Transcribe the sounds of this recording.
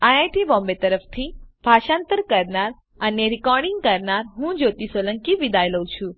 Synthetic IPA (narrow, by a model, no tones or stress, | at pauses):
aajʈibɔ̃mbet̪əɾəft̪ʰib̥ʱaʃãnt̪əɾkəɾnaɾ | əneɾikɔɾɖiŋɡ̚kəɾnaɾɦũd͡ʒot̪isoləŋkiʋid̪ajləũt͡ʃʰũ